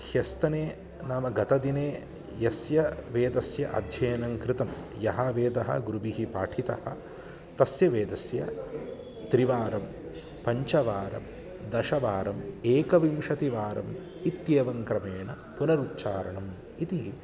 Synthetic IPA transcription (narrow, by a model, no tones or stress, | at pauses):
hjɐst̪ɐneː | naːmɐɡɐt̪ɐd̪ineː | jɐsjɐʋeːd̪ɐsjɐ̰ʔɐ̰d̪ʱjɐːnɐŋkɾɪt̪ɐmjɐɦaːʋeːd̪ɐɦɐ̰ɡuɾubiɦipa̰ːʈʰit̪ɐhɐ | t̪ɐsjɐʋeːd̪ɐsjɐ̰ | t̪ɾiʋaːɾɐm | pɐɲt͡ʃɐʋaːɾɐ̰m | d̪ɐʃɐʋaːɾɐmeːkɐʋimʃɐt̪iʋaːɾɐ̰m | it̪jeːʋɐŋkɾɐmeːɳɐ | punɐɾutːt͡ʃaːɾɐɳɐm | it̪iɦi